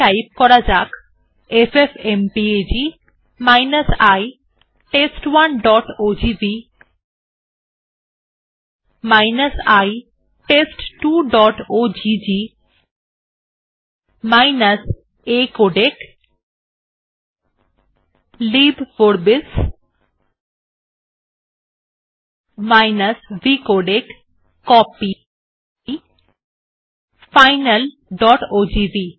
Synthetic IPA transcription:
ajp̚kɔɾad͡ʑak | efefʰempied͡ʑi | majnasaj | ʈesʈwanɖɔʈod͡ʑibi | majnasaj | ʈesʈʈuɖɔʈod͡ʑid͡ʑi | majnas | ekoɖek | libʋoɾbis | majnɐsbikoɖekː | ɔpi | fajnɐl | ɖɔʈod͡ʑibi

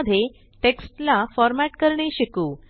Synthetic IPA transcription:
d̪ʱe | ʈeksʈlafɔɾmæʈkəɾɳeɕikuː

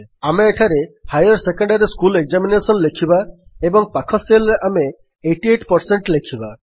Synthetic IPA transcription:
ameeʈʰaɾehajɔɾsekɔɳɖaɾiskuleɡzaminesɔnlekʰibaebɔŋpakʰɔselɾeʔame | eʈieʈpɔɾseɳʈlekʰiba

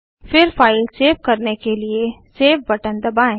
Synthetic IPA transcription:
fɪɾfaːɪlseːʋkɐɾnekelieseːʋbɐʈə̃nd̪ɐbaːẽː

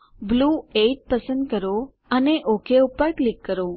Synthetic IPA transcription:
bluːeʈ̚pəsə̃nd̪kəɾo | əneʔokʰeupəɾklikːəɾo

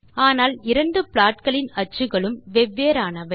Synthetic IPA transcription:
aːnaːlɪɾɐɳɖɯpɭaːʈ̚kɐɭɪnɐt͡ʃːrɯɣɐɭɯmʋɛʋːeːɾaːnɐʋɐɪ

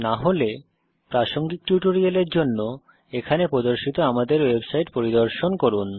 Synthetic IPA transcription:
naɦole | pɾaʃoŋɡik̚ʈjuʈoɾialeɾd͡ʑonːo | ekʰanepɾod̪oɾʃit̪oamad̪eɾwebsajʈpoɾid̪oɾʃonkoɾun

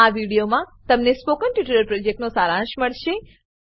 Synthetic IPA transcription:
aʋiɽijomãt̪əmnespokənʈiʈələɾpɾod͡ʒek̚ʈnosaɾãʃməɭʃe

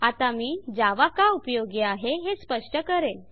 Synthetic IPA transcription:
at̪amiːd͡zaʋakaupjoɡiaɦeɦespəʂʈəkəɾe

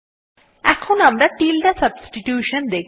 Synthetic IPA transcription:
ɛkʰːõnɐmd̪aʈiːlɖasɐbsʈiʈjuːʃənd̪eːk

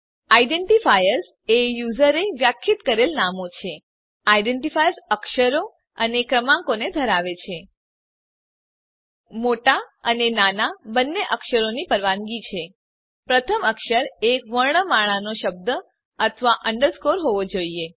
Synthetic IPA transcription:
aiɖeɳʈifajəɾs | ejuzəɾeʋjakʰːit̪kəɾelnamot͡ʃʰe | aiɖeɳʈifajəɾsəkʃəɾo | ənekɾəmãŋkoned̪ʱəɾaʋet͡ʃʰe | moʈaənenanabənːeʔəkʃəɾonipəɾʋaŋɡit͡ʃʰe | pɾət̪ʰəməkʃəɾekʋəɾɳəmaɭ̃anoʃəb̚d̪ə | ət̪ʰəʋaʔəɳɖəɾskoɾɦoʋod͡ʒoie

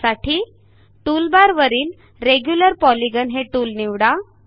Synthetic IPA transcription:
saʈʰiː | ʈulbaɾʋəɾiːn | ɾeɡjuləɾpɔliɡənɦeʈuːlniʋɽa

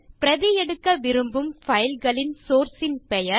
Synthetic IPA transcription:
pɪɾɐðɪjɛɽɯkːɐʋɪɾɯmbɯmfɐjɪlɣɐɭɪnsoːɾsɪnpɛjɐ

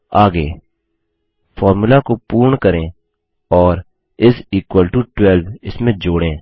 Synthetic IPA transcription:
aːɡeː | fʰɔːɾmulakopuːɾɳkəɾẽː | ɔːɾ | ɪsiːkwəlʈuʈwɛlʋɪsmẽd͡ʒoːɽẽː

